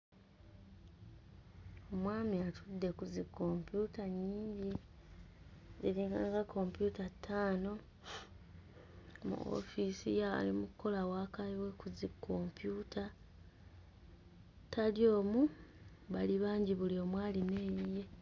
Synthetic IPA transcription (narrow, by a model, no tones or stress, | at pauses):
omwaːmiatʰudːe̞kuzikːo̞mpjutaɲiːɲɟi | zeɾiŋɡaːŋɡakʰo̞mpjutatʰːaːno̞ | mṵo̰fisijaa̰limuko̞lawaːkaliwe̞kuzikʰːo̞mpjutʰa | tʰaljo̞ːmu | βaliβaːɲɟiβulio̞mwaːline̞ːjije̞